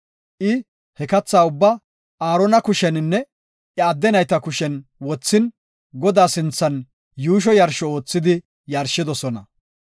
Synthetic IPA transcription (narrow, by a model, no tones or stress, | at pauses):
ʔɪ | hɛkɐt͡sːaːʊbːa | aːɾɔnɐkʊʃɛnɪnːɛ | ʔɛɐd̪ːɛnɐjt̪ɐkʊʃɛnwɔt͡sːɪn | ɡɔd̪aːsɪnt͡sːɐn | juːʃ̬ɔjɐɾʃɔo̞ːt͡sːɪd̪ɪ | jɐɾʃɪd̪ɔsɔnɐ